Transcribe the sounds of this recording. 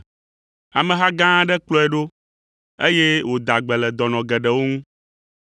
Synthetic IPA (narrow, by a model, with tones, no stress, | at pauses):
a˨mɛ̃˨ɦa˦ɡã˦ɖɛ˦k͡plɔ˦ɛ˨ɖo˦ | e˦je˦wo˨d̪a˨ɡ͡bɛ˨lɛ˨d̪ɔ˨nɔ̃˨ɡɛ˨ɖɛ˨wo˦ŋũ˦